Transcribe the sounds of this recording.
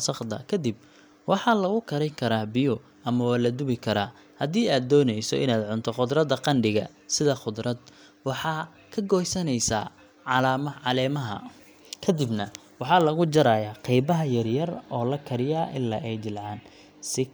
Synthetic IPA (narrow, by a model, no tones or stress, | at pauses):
sɐqd̪ɐ̰kʰɐd̪ib̚ | wɑħɑlɐɣʊkʰɐɾɛŋkʰɐɾaːbɪjɔ | ɐmɐwaːlɐd̪ʊβɪkʰɐɾaː | hɐd̪iːaːd̪ːɔːnɛjsɔ̰ʔɪ̰naːd̪ʕʊnt̪ʰɔχʊd̪rɐd̪ɐqɑnɖɪɣɐ̰ | sɪðɐqʊd̪rɐd̪̚ | wɑħɑː | kʰɐɡɔːjsɐnɛjsa̰ː | ʕɑlaːmɐʕɑlɛːmɐɦɐ̰ | kʰɐd̪ɪbnɐ | wɑħɑːlɐɣʊd͡ʒɐɾaːjaːqɛjbɐɦɐjɐrjɐrɔːlɐkʰɐɾɪjaːʔɪlːaːʔɛjd͡ʒɪlʕɑːn | sɪ